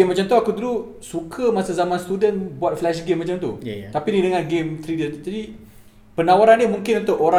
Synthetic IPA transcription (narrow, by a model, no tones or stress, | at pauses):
mːat͡ʃamt̪uakud̪ulu | sukʰəmasazamãnst̪udənbuat̪̚flɛʃɡemːat͡ʃamt̪ut̪apinidəŋãnɡemt̪ɾidət̪d͡ʒadi | pənawaɾandiəmuŋkɪnũnt̪ʊʔoɾa